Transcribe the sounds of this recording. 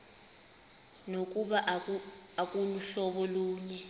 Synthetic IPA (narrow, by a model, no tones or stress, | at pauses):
nok̬ʼuɓaʔak̬ʼuluɬɔɓɔluːɲɛ